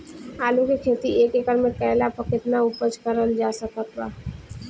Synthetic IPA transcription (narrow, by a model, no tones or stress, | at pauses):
aːlũkekʰeːt̪ieːkekəɾmẽpɛːɦlapəkɪt̪naʊpət͡ʃkəɾəld͡ʒaːsəkət̪ːa